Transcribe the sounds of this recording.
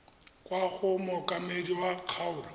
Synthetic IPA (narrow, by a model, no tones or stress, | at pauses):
kʼwaɣʊmʊkʼamediwaq͡χʰaʊːla